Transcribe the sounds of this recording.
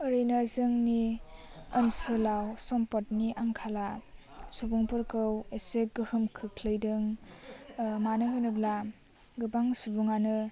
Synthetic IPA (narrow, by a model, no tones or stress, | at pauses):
ɯɾinazɯŋni | əmsɯlawsɔmpɔtniʔaŋkʰala | subuŋpɯɾkɯweseɡɯhɯmkʰɯkʰlɯjdɯŋ | manɯɦɯnɯbla | ɡɯbaŋsubuŋanɯ